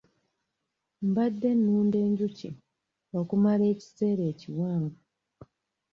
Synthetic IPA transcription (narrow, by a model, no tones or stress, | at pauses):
mbadːe̞nːuːnde̞ːɲɟuci | wokumale̞ːci̥se̞ːɾe̞ːciwaːmbu